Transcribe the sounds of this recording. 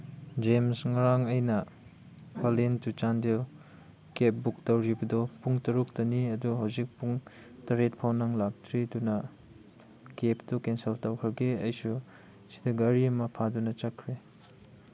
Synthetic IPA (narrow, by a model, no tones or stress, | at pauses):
d͡ʒemsŋɐɾaŋɐjnɐ | palentut͡ʃandel | kep̚buk̚tɐwɾibɐdɔpuŋtɐɾuk̚tɐniɐduɦɐwzik̚puŋ | tɐɾet̚pʰawnaŋlak̚tʰɾidunɐ | keptukenseltɐwkʰɐɡeɐjsu | si̥dɐɡɐɾiɐmɐpʰadunɐt͡ʃɐkʰːɾe